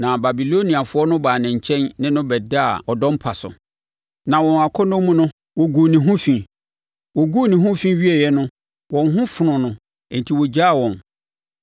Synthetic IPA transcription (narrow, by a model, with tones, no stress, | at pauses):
nã˨ba˨bi˨lo˦nĩ˨a˨fʊ˦ɔ˦nʊ̃˦baː˨nɪ̃˨ɲ̩˨t͡ɕʰɛ̃˦nnɪ̃˦nʊ̃˦bɛ˨da˦a˨ɔ˨dɔ̃˦m̩˦pʰa˨sʊ̰˨ | nã˨wɔ̃˨na˨kʰɔ˦nɔ̃˦mũ˦nʊ̃˦ | wɔ˨ɡu˨nĩ˨ɦʊ̃˦fĩ˨ | wɔ˨ɡu˦nĩ˨ɦʊ̃˦fĩ˦ɥi˦e˨jɛ˦nʊ̃˦ | wɔ̃˨n˦ɦʊ̃˦fʊ˨nʊ̃˨nʊ̃˨ | e˨n̩˨tʰi˨wɔ˨d͡ʑa˦˨wɔ̃˨n